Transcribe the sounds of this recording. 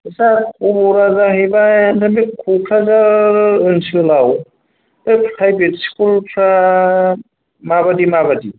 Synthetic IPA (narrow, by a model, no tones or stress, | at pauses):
sakʰubɔɾazahejbajndʰamekʰukʰazaɯnsɯlaw | bepʰtʰajbetskʰulpʰɾa | mabadimabadi